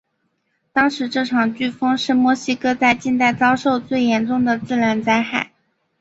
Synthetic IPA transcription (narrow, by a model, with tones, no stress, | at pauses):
t̪ɑ˥ŋʂɻ̩˧˥ʈ͡ʂɤ˥˩ʈ͡ʂʰɑ˨˩ŋt͡ɕy˥˩fɤ˥ŋʂɻ̩˥˩mwɔ˧˥ɕi˥kɤ˥t͡sa˥˧ɪt͡ɕi˥˧nt̪a˥˩ɪt͡sɑ˥ʊʂo˥˧ʊt͡swe˥˩ɪjɛ˧˥nʈ͡ʂʊ˥˩ŋd̪ə˩t͡sɹ̩˥˩ɻə˧˥nt͡sa˥ɪxa˥˩ɪ